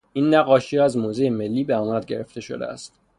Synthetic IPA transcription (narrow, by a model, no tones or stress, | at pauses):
inːæɣɒːʃiæzmoːzejeme̞lːiːbeɒmæd̪̚ɡe̞ɾeft̪e̞ʃo̰d̪ḛæ̰st̪